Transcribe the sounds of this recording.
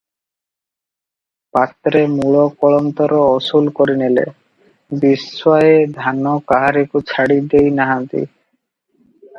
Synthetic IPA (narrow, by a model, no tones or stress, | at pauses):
pat̪ːɾemuɭokɔɭomt̪ɔɾoɔsulkoɾinelḛ | bisoaed̪ʱanokaɦaɾikut͡ɕʰaɽid̪ejnaɦant̪ḭ